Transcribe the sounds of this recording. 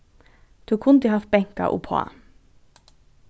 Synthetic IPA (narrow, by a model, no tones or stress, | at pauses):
d̪̥uːkʰʊnd̪ɪhɑf̚bɛŋkɑ̰ʔṵpʰo̰ɑ̰